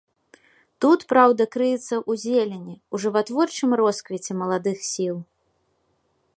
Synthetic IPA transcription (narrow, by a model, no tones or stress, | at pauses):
t̪ut̪pɾawd̪ɐkɾɨjɛt̪sːɐʔuzʲelʲenʲiuʐɨvat̪vɔrt͡ʂɨmrɔskvʲit͡sʲɛmɐlˠad̪ɨxsʲilˠ